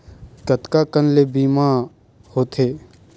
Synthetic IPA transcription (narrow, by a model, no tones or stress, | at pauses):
ɡət̪kakənlebiːma | hoːt̪ʰeː